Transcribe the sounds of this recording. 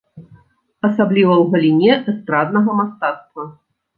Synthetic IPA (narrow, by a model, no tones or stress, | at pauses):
ɐsablʲivɐwɣɐlʲinʲɛʔɛst̪ɾad̪nɐɣɐmast̪at̪st̪vɐ